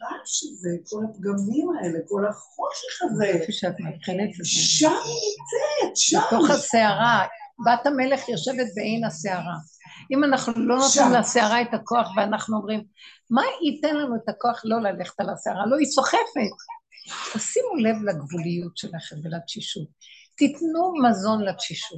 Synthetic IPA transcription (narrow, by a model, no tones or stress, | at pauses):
aʃezekolatɡamimaeleko̞laχoʃeχazefiʃeat̪mavχenet̪ezeʃamit͡setʃato̞χaseaʁabatame̞le̞χjoʃe̞vet̪̚beʔe̞jnaseaʁa | ʔimanaχnuulo̞not̪imlaseaʁaetako̞aχveanaχnuomʁim | maitenlanuet̪ako̞aχlo̞laleχe̥t̪alaseaʁalo̞it͡so̞χe̞fet̚tasimule̞vlaɡvulijutʃelaχemvelaʃiʃut̚ː | itnumazo̞nlatʃiʃut